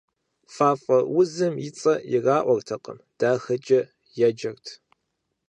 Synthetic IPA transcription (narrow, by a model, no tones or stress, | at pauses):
faːfʼɐwʊzɨmjɪt͡sʼɐjɪraːʔʷɔrtʰɐqʼə̰md̥aːxɐt͡ʃʼɐ | jɛd͡ʒɐrtʰ